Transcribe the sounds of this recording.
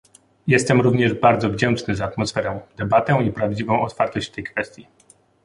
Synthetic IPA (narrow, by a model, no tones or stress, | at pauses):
jɛst̪ɛmɾuvɲɛʐbaɾd̪zɔvd͡ʑɛnt͡ʂnɘzaːt̪mɔsfɛɾɛ̃d̪ɛbat̪ɛw̃ipɾavd͡ʑivɔ̃w̃ɔt̪faɾt̪ɔɕt͡ɕft̪ɛjkfɛst̪ʲji